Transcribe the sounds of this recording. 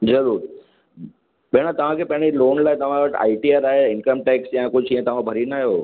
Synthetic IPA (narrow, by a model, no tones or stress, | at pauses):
zɐɾuːɾ | ɓeːɽ̃at̪ɐʋ̤ãkʰeːpɐ̃ɦɪ̃ɽiloːnlaːt̪ɐʋ̤ãʋəʈa̰ːiʈijəɾaːɦeɪnkəmʈeːksjãkʊd͡ʑʱiə̃t̪ɐʋ̤ãbʱɐɾinaːɦjoː